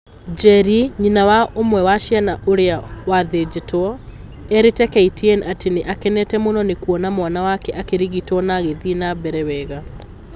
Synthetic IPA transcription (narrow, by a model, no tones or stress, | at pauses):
d͡ʒɛɾiɲinawaomwɛwaʃjanaʔoɾeawaðed͡ʒetwɔ | ɛɾetɛkɛitɛnateneʔakɛnɛtɛmonɔnekuɔnamwanawakɛʔakeɾiɣitwɔnaɣeðinabɛɾɛwɛːɣa